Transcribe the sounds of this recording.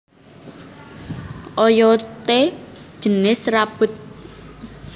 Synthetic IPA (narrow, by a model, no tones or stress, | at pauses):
ʔɔjɔt̪e̥ʒ̥ənɪsrab̥ʊ̤t̪̚